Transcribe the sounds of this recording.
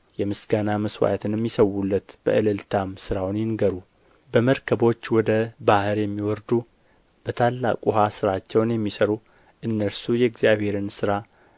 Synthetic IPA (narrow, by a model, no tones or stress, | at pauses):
jɛmɨsɡanaməswa̰jt̪ʰɨnɛmːisəwːulːət̪b̥ə̰ʔɨlɨlt̪ʰamsɨɾawnjɪnɡəɾu | bəməɾkʰəbo̞t͡ʃːwɔd̪əbahɨɾjɛmːiwɔɾd̪u | b̥ət̪ʰalːa̰kʼuɦasɨɾat͡ʃːɛwnjɛmːisəɾu | ʔɨnːəɾsujɛɡzjaβhe̞ɾɨnsɨɾa